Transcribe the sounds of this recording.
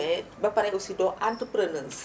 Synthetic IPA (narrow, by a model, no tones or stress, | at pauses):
ɛbapaɾɛʔusidɔʔant̪əpɾənəns